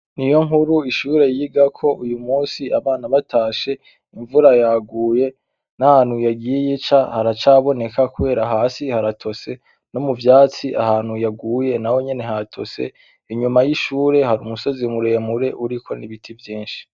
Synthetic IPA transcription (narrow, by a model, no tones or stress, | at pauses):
nijo̞ŋhuɾuiʃuːɾe̞jiiɡakʰo̞ʔujumuːsiaβaːnaβatʰaːʃe̞ | iɱvuɾajaːɡuːje̞ | nahaːn̥hujaɡijejit͡ʃahaɾat͡ʃaːβo̞ne̞kakuβe̞ːɾaɦaːsihaɾatʰo̞se̞ | no̞muvjaːt͡siʔa̰haːn̥hujaɡuːje̞nawo̞ɲe̞ne̞ɦatʰo̞se̞̰ | iɲumajiʃuːɾe̞haɾumuso̞zimuɾemuɾe̞ʔuɾikʰo̞̰niβitʰivjiːnʃi̥